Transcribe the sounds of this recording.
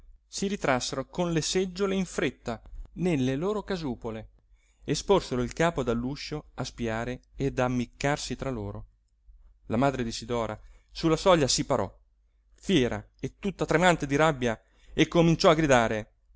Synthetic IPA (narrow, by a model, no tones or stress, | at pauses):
siɾit̪ɾasːeɾokonlesed͡ʒːoleiɱfɾet̪ːanelːeloːɾokazuːpole | esporseɾoilkaːpod̪alːuʃːoaspiaːɾeːd̪amːikːarsit̪ɾaloːɾo | lamaːd̪ɾed̪isid̪ɔːɾa | sulːasɔʎːasipaɾɔ̰ | fjɛːɾa̰ | et̪ːut̪ːat̪ɾemant̪ed̪iɾabːja | ekːomint͡ʃɔaɡɾid̪aːɾe